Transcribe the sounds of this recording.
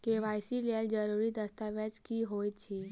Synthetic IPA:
keʋajsilɛld͡ʒəɾuɾid̪əst̪aʋəd͡ʒkiːɦojt̪t͡ʃʰiː

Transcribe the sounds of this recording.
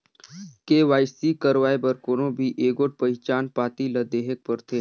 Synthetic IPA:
keːʋaːjsikəɾʋaːjebəɾkonobʱiʔeːɡoʈ̚pəɪt͡ʃaːnpaːt̪iləd̪eːɦek̚pəɾt̪ʰeː

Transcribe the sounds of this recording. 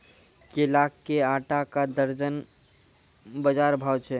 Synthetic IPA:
kelakːeaːʈakad̪əɾd͡ʒən | bəd͡ʒaːɾbʱaːwt͡ʃʰɛ

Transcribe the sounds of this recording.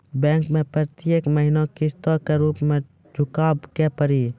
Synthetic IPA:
bɛ̃ːŋkmẽpɾət̪jeːkməɦɪnokɪst̪ɔːɾkeɾuːpmẽ | d͡ʒʱʊkaːbkepəɾiː

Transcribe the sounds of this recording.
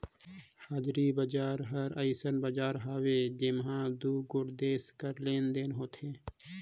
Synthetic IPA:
haːd͡ʒɾiːbəd͡ʒaːɾɦəɾəɪsənbəd͡ʒaːɾɦaːweːd͡ʒɪmɦãːd̪uːɡʊɽd̪eːskəɾleːnd̪eːnɦoːt̪ʰẽː

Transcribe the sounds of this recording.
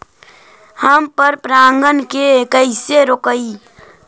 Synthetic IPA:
həmpəɾpɾaːŋɡənkekəɪseɾoːkəi

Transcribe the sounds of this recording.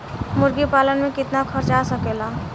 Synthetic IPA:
mʊɾɡipalənmẽkɪt̪nakʰəɾt͡ʃasəkela

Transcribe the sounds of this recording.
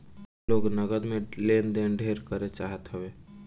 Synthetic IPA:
loːɡnəɡəd̪meleːnd̪enɖʱeːɾkəɾet͡ʃaːɦət̪ɦəʋeː

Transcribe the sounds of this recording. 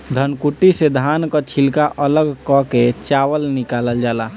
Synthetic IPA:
d̪ʱənkuʈːised̪ʱaːnkat͡ʃʰɪlkaʔələɡkɔket͡ʃaːwəlnɪkaːləld͡ʒaːlaː

